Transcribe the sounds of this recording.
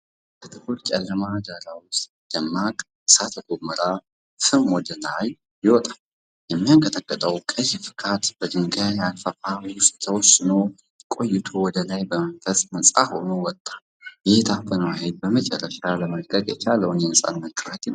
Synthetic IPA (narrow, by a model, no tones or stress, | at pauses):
kʰət̪ʰɨkuɾt͡ʃʼɛlːəmad̪aɾawʊst̪ʼd̥̪əmːakʼ | sat̪ʰəɡoməɾa | fɨmwɔd̪əlaj | jɪwɔt̪ʼal | jɛmːijaŋkʼət̪əkʼːət̪ʼəwkʼɨjfɨ̥kʰat̪bəd̪ɨŋɡajalfəʔawʊst̪t̪ʰəwɔsɨno | kʼo̞jːɪt̪ʰowɔd̪əlajbəmənfəsʼməsʼa̰ho̞nuwɔt̪ʼːḁ | jɪht̪ʰafənwahed̪̚bəmət͡ʃʼɛ̰rːəʃaləməlkʼəkʼjɛt͡ʃaləwnjɛnəsʼa̰nːət̪kʼɨɾat̪ʰen